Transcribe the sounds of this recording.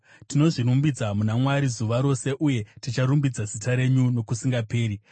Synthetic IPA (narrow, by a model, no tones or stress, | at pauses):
tino̞ʐiɾumbid͡zamunamwaɾizuʋaɾo̞se̞ʔuje̞tit͡ʃaɾumbid͡zazitaɾe̞ɲuno̞kusiŋɡape̞ːɾi